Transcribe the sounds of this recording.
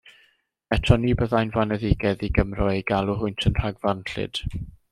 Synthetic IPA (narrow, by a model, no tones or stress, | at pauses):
ɛtʰɔniːbəðajnvanɛðɪɡɛðiɡəmrɔeɡalˠʊɦʊjntʰənr̥aɡvanɬɪ̰d̥